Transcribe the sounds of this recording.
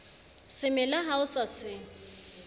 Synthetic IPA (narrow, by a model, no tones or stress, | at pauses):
sɪmɛlaɦaʊsasɪ